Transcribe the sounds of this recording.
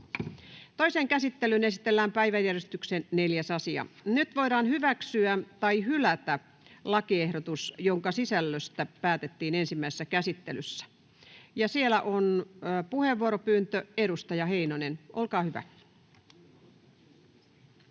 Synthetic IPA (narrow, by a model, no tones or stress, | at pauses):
t̪oiseŋkæsit̪ːelyne̞sit̪elːæːmpæiʋæjːærjest̪yksenːe̞ljæsɑsiɑ̰nyt̪ʋoidɑːnhyʋæksyæt̪ɑihylæt̪æ | lɑkiehɾot̪usjoŋkɑsisælːøst̪æpæːt̪et̪ːiːnensimːæˑisesːækæsit̪ːelysːæ̥ | jɑsielæʔonːpuheʋːuoɾopyːnt̪øeɾust̪ɑjɑheinonenʔolkɑːhyʋæ̰